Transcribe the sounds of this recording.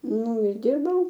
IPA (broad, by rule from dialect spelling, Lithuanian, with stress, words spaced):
ˈnʊ ɪr ˈdʲɪrbɐʊ